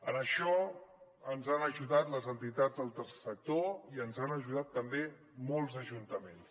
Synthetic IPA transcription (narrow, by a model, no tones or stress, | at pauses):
ənəʃɔ | ənzanəʒuðat̪ləzənt̪it̪ad͡zðəlˠt̪əɾsɛ̥sək̚t̪oiənzanəʒuð̞at̪ːəmbe | mɔlˠzəʒunt̪əmens